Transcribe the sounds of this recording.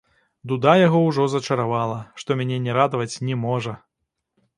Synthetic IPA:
d̪ud̪ajaɣɔwʐɔzɐt͡ʃɐɾavalˠɐʂt̪ɔmʲanʲɛnʲɛɾad̪ɐvɐt͡sʲnʲɛmɔʐɐ

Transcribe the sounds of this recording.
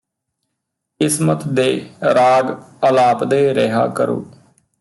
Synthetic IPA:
kɪsmət̪d̪eːɾaːɡəlaːpd̪eːɾeɦa̰ːkəɾo̰ː

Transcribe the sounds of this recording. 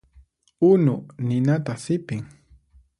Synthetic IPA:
ʊnʊnɪnat̪asɪpɪŋ

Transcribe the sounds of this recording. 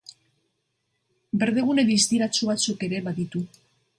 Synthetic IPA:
be̞ɾðeɣ̞une̞ðist̪iɾat͡suβat͡suke̞ɾe̞βaðit̪u

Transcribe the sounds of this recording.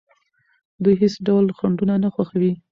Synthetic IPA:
d̪ujɦesɖawlxaɳɖunanaxwaxawi

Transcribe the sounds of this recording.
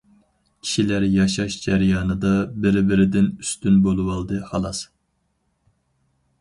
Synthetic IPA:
kʲʰi̥ʃilæɾjɑʃɑʃd͡ʒæɾjɑːnɨd̪ɑbɪɾbɪɾɪd̪ɪnyst̪ynbolˠɨwɑlˠd̪ɨhɑlˠɑs

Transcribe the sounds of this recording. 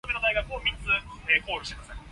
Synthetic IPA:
menaiɡakɯ̟omʲit͡sɨeːko̞ːɾʲoɕi̥t̪emasn

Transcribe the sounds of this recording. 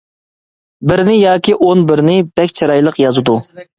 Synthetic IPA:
bɪɾnɪjɑːkʲiʔonbɪɾnɪbɛkʲt͡ʃʰɑɾɑjlˠəqjɑzɨd̪u

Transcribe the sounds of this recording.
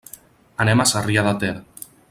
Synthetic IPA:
anɛmasariaðat̪ɛɾ

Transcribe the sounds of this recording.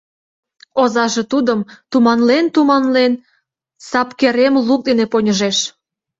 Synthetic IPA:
ozɑʒe̽t̪ud̪əmt̪umɑnlent̪umɑnlen | sɑpkeɾemluk̚d̪eneponʲəʒeʃ

